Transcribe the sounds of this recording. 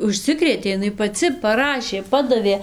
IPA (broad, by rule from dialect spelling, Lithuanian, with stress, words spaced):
ʊʃʲˈsʲɪkrʲeːtʲeː ɪˈnɐɪ pɐˈt͡sʲɪ pɐˈrɑːʃʲeː ˈpɑːdɐʋʲeː